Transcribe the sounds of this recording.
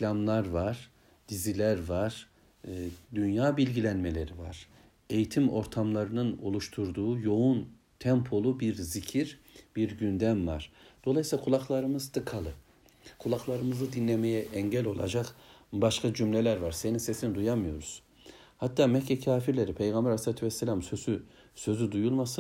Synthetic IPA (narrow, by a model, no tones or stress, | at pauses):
lʲamlˠaɾvaɾ̥ | d̪̥izilʲæɾvaɾ̥ | d̪ynjaːbilʲɟilʲænme̞lʲe̞ɾiva̰ɾ̥ | e̞jit̪ʰimo̞ɾt̪ʰamlˠaɾɯnɯno̞̰lˠuʃt̪ʰuɾd̪uːjo̞un | t̪ʰɛmpʰo̞lˠubiɾzicʰiɾ | b̥iɾɟynd̪æmva̰ɾ̥d̪̥o̞lˠajsilʲˠakʰulˠaklˠaɾɯmɯzd̪ʰɯkʰalˠɯ | kʰulˠaklˠaɾɯmɯzɯd̪inːʲemejɛʔɛɲɟælʲo̞̰lˠa̰d͡ʒakbaʃkʰad͡ʒymlʲelʲæɾvaɾse̞ninse̞sinid̪ujamɯjo̞ɾuz̥ | hat̪ʰːaːmɛcʰːɛcʰaːfiɾlʲe̞ɾipʰejɡambæɾaslʲaːt̪ʰyvɛselʲamsøzy | sø̞zyd̪ujulˠmasɯn